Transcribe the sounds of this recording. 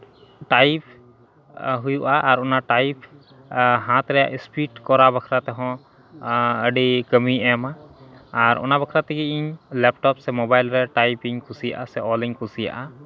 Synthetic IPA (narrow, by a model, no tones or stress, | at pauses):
ʈajp | ɦujuʔaʔːɾɔnaʈajpʰ | ɦãt̪ɾɛja̰ʔispiʈkɔɾabakʰɾat̪ɛɦɔ̃ | əɖikəmiɛmaː | ɾɔ̰nabəkʰɾat̪ɛɡiiɲlɛp̚ʈɔpsɛmɔbajlɾɛʈajpiŋkʰusija̰ʔasɛɔliɲkusija̰ʔa